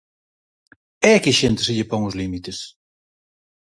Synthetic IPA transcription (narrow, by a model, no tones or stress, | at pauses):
ɛkɪʃent̪ɪsɪʎɪpoŋʊzlimit̪ɪs